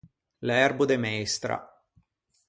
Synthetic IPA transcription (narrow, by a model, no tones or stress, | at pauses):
lɛrbud̪emɛjst̪ɾa̰